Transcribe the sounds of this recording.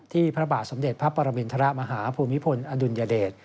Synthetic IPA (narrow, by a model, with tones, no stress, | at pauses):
t̪ʰiː˥˩pʰɾa˦˥baː˨˩t̪̚so˩˦mde˨˩t̪̚pʰa˦˥pːa˧ɾa˧mi˧nt̪ʰa˧ɾa˦ma˧ɦaː˩˦pʰuː˧mːi˦˥pʰo˧nʔaː˧du˧njaː˧deː˨˩t̪̚